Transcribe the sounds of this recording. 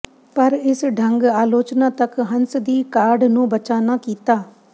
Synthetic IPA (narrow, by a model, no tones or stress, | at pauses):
pəɾɪsɖʱə̃ŋɡaːloːt͡ʃnaːt̪əkɦənsd̪iːkaːɾɖnũːbət͡ʃaːnaːkiːt̪aː